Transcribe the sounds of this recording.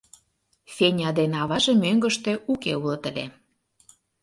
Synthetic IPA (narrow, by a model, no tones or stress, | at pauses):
fʲenʲɑd̪enɑβɑʒemøŋɡə̆ʃt̪ĕukeulɤt̪ə̆lʲḛ